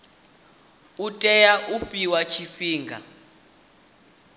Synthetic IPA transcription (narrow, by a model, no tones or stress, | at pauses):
utʼɛjaʔuɸiwat͡ʃʰiɸiːŋɡʱa̰